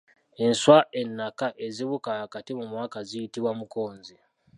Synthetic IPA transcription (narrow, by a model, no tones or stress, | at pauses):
e̞nswaʔe̞nːakaʔe̞ziβukahakatimumwaːkazijitiβwamuko̞ːnzi